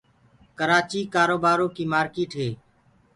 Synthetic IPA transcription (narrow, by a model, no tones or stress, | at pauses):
kəɾaːt͡ʃiːkaːɾoːbaːɾõːkiːmaːɾkeːʈɦeː